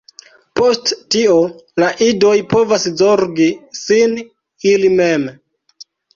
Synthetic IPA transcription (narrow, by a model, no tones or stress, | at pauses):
po̞sttiolaʔido̞jpo̞vaszoɾɡisin | ilime̞m